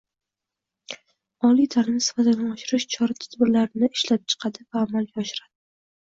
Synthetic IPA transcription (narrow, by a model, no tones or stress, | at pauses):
ɒlijt̪ʰaɾɪnɪsɪ̥fat̪ɪd̪aɒʃɪɾɪʃt͡ʃʰɒɾat̪ʰʊ̥d̪bɪɾlaɾɪnɪɪʃlap̚t͡ʃʰɨ̥qʰad̪ɪvaːmalɡʲaɒʃɪɾad̪ɪ